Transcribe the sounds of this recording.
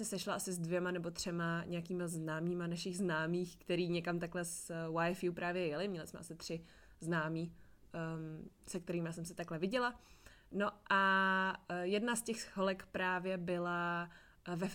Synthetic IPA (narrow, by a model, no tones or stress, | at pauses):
mɛsɛʃlaʔasɪzdvjɛmanɛbo̞t̪r̝̥ɛmaɲʔɛjakiːmaznaːmiːmanaʃɪɣznaːmiːxkt̪ɛɾiːɲɛkamt̪aklɛswajfjupɾʔaːvjɛjɛlɪmɲɛlɪsmɛʔasɪt̪r̥ɪ | znaːmiː | sɛk̚t̪ɛɾiːmasɛmsɪt̪aklɛvɪɟɛlano̞ʔa | jɛdnascɛxholɛkpɾaːvjɛbɪla | vɛ